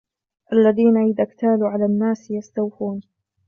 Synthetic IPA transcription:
ʔalːaðiːnaʕiːd̪ʔakt̪aːluːʕalaːnːaːsjast̪awfuːn

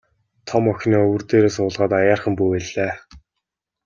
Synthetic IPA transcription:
t̪ʰɔmɔxʲniːɵwɵ̆rt̪eːɾeːs̬ʊːɮʁaːt̪ajaːrχə̆mpujpæɮeː

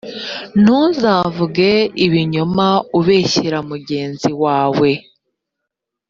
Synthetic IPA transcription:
n̥uːnzaːvuɡeiβiɲumauβeːçiɾamuɟe̞ːnziwaːwe̞

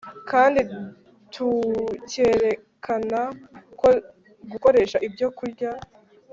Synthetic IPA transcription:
kaːndi | tʰuceːɾe̞ | kʰanako | ɡuko̞ɾe̞ːʃaʔibjo̞kuɾɟa

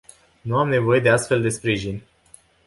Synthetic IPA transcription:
nuamne̞vo̞je̞d̪e̞ast̪fe̞ld̪e̞spɾiʒinʲ

